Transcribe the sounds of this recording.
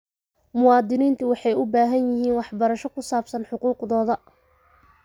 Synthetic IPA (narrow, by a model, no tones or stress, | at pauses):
mʊwɑːd̪ɪniːnt̪ʰʊwɑħɑjʊbaːɦɐnjɪɦiːnwɑħbɐɾɐʃɔkʰʊsaːbsɐnħʊquːqðɔːðɐ